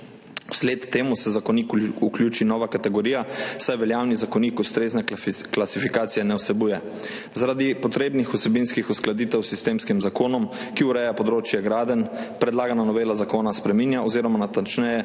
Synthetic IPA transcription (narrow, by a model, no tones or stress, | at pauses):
wsleːt̪t̪ːeːmusɛzakɔniːkuklʲjuːt͡ʃinɔːʋakat̪ɛɡɔɾiːjasajʋɛljaːwnizakɔniːkust̪ɾeːznaklasifikaːt̪sijɛnɛwsɛbuːjɛ | zaɾad̪ipɔt̪ɾeːbnixusɛbinskixusklad̪iːt̪ɛwsist̪eːmskimzakoːnɔm | kiuɾɛːjapɔd̪ɾoːt͡ʃjɛɡɾaːd̪ənpɾɛd̪laːɡananɔʋeːlazakoːnaspɾɛminjaoziːɾɔmanat̪ant͡ʃnɛjɛ